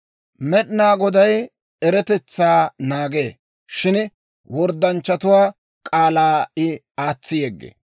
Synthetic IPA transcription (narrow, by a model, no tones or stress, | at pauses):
mɛɗnaːɡɔd̪ɐj | ɛɾɛt̪ɛt͡sːaːnaːɡḛː | ʃɪn | wɔɾd̪ːɐnt͡ʃːɐt̪ʊwaː | kʼaːlaːɪ | aːt͡sːɪjɛɡːḛː